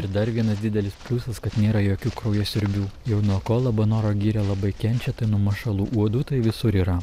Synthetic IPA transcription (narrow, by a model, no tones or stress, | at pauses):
ɪɾd̪ɐɾʋʲiɛnɐsd̪ʲɪd̪ʲɛlʲɪspʲlʲusɐskɐt̪nʲeːɾɐjoːkʲuːkɾoːjoːsʲɪɾʲbʲuːjɛʊnuɔkoːlˠɐbɐnoːɾoːɡʲiːɾʲɛlˠɐbɐɪkʲɛnʲt͡ʃʲɛt̪ɐɪnʊmɐʃɐlˠuːʔuɔd̪uːt̪ɐɪʋʲɪsʊɾiːɾɐ